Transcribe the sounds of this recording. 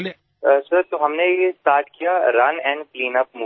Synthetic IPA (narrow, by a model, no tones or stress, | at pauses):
sɐɾt̪oɦɐmnejesʈaːɾʈʰkijaɾɐnɛ̃ːɳɖpliːnəp̚mu